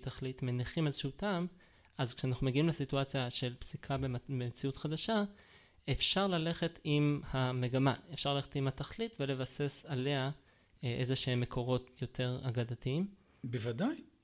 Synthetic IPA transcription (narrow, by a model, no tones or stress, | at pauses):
t̪aχlitmeniχimazʃutam | ʔazkʃeanaχnume̞ɡiimlesituat͡sjaʃe̞lpsikʰabebemet͡siutχad̪aʃa | efʃaʁlale̞χe̞timhame̞ɡamaefʃaʁlale̞etimhat̪aχlitve̞le̞vase̞sale̞a | ʔezeʃehemːe̞kʰo̞ʁo̞tjo̞tʰe̞ʁaɡadatiim | bevadaj